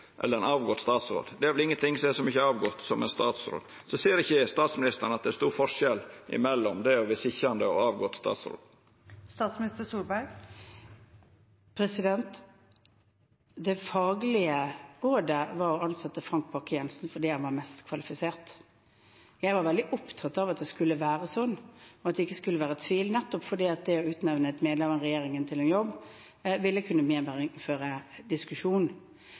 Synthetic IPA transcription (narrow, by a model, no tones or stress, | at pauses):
ʔɛ̰lːəɾɛnɑːʋɡɔt̪st̪ɑːt̪sɾo̰ːd̪d̪ɛæɾʋɛlɪŋːənt̪ʰɪŋːsɔɛʂɔmʏçːəɑːʋɡɔt̪sɔmʔɛɪnst̪ɑːt̪sɾo̰ːd̪ | sɔsiːəɾɪçːəst̪ɑːt̪smɪnɪst̪əɳ̩ɑt̪̚d̪ɛæʂst̪uːɾfɔʂɛlɪ̰mɛlːɔmd̪ɛæɔʋɪsɪçɾɑnd̪əɔ̰ɑːʋɡɔt̪st̪ɑ̰ːt̪sɾo̰ːd̪ | st̪ɑːt̪smɪnɪst̪əsuːlbæɾɡ | pʰɾɛsɪd̪ɛnt̪ | d̪ɛfɑːɡlɪəʁoːd̪əʋɑɾɔɑnsɑt̪ːəfʁɑŋk̚b̥ʰɑkːəjɛnsnfɔd̪iːhɛnʋɑɾmɛst̪kʰʋɑlɪfɪseːʁt̪ | jæɪʋɑɾʋɛld̪ɪʔɔpt̪ʰɑt̪ːɑʋɑt̪̚d̪ɛskʉlːəʋæːɾəsɔnːɔɑt̪d̪ɛɪkːəskʉlːəʋæːʁɾət̪ʰʋiːlnɛt̪ːɔpfɔd̪iːɑt̪̚d̪ɛɔʉːt̪nɛʋnəɛt̪meːd̪lɛməʁɛjeːɾɪŋənt̪ʰɪlɛnjɔbː | ʋɪlːəkʰʉnːəmeːmæɾɪføːɾəd̪ɪskʉʂuːn